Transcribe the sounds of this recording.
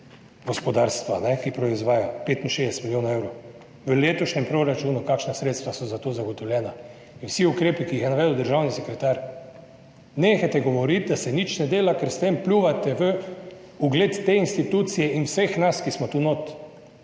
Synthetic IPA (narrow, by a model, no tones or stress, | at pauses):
ɡɔspɔd̪aɾst̪ʋanɛkipɾɔizʋaːjapeːt̪inʃeːɛsɛt̪miljoːnaewɾo | ʋəleːt̪ɔʃnɛmpɾoɾat͡ʃuːnukakʃnasɾeːt̪st̪ʋasɔzat̪oːzaɡɔt̪ɔwlʲjɛːna | inwsiukɾeːpikiːxjɛnaʋɛd̪əwd̪əɾʒawnisɛkɾɛt̪aɾ | neːxajt̪ɛɡɔʋɔɾit̪̚d̪asɛnit͡ʃnɛd̪eːlakɛɾst̪emplʲuʋat̪ɛʋə | uɡleːt̪ːeinst̪it̪ut̪sijɛinwsexnaskismɔt̪unot̪